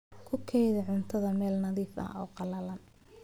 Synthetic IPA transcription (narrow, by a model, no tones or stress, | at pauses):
kʰʊkʰɛjðɛʕʊnt̪ʰɐðɐmɛːlnɐðiːfɐ̰hɔːqɑlɐlɐn